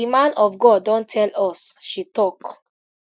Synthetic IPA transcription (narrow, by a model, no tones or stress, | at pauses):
imãnɔvɡɔdːõntʰɛlɔsʃitɔk